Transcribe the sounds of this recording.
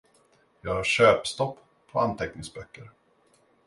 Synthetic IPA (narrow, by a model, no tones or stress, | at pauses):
jɑːɡhaʂøːpst̪ɔpː | pʰːɔant̪ʰɛknɪŋsbœkːəɾ